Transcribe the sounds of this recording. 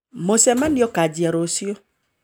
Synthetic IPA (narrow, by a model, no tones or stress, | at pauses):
mosɛmaniɔkad͡ʒiaɾosio